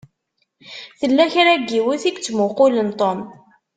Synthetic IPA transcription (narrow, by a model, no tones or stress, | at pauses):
θəlːæçɾæɡːiwiθiɡt͡sːmʊqʊlənt̪ˤom